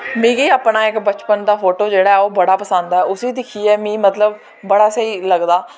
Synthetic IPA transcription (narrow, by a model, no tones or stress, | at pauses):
mĩːɡiːaːpnaːɪkbət͡ʃpənd̪aːfoːʈoːd͡ʒeːɽaːɛːoːbəɽaːpəsə̃nd̪aɛːʊsiːd̪ɪkʰiːɛːmĩːmət̪ləbː | əɽaːsəiːləɡd̪aː